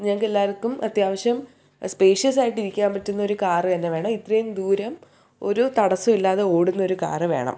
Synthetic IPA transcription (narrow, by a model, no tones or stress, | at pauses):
ɲaːŋkːelːaːɾɐkːumɐt̪jaːʋɐɕjɐm | spe̞ːʂjɐs̬aːjiʈːiɾikʲːaːnpɐtːunːɐo̞ɾukaːrɨt̪ɐnːe̞ʋe̞ːɳɐmit̪rɐjumd̪uːɾɐm | o̞̰ɾut̪ɐɽɐsːumilːaːðeo̞ːɽunːɐo̞ɾuka̰ːrɨʋe̞̰ːɳɐ̰m